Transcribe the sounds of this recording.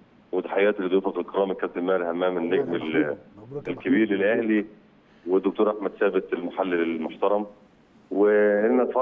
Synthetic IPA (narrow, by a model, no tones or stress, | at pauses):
wed̪ħajæːt̪lːiːd̪wefɑt̪lq̪ɑɾˤɑːmikːæt̪ɪlmæːlhæmːæːmɪnːeɡmɪl | lkæbiːɾɪlʔæhli | wɪd̪ːʊk̚t̪uːɾˤʔaħmæd̪sæːbɪt̪elmaħalːɪlmoħt̪ɑɾˤɑm | wɪɪnːæt̪fɑ